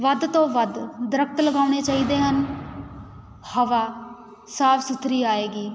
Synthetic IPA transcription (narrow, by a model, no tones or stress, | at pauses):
ʋəd̪t̪õːʋəd̪d̪əɾəkʰt̪ləɡaːʊɽ̃eːt͡ʃaːiːd̪eːɦən | həʋaː | saːpʰsʊt̪ʰːɾiːaːeːɡiː